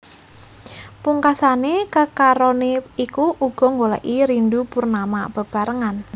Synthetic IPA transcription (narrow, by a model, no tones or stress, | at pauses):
puŋkasanekəkaɾɔneikuʔuɡ̥ɔ̤ŋɡolə̰ʔiɾindupurnamab̥ə̤b̥a̤ɾəŋan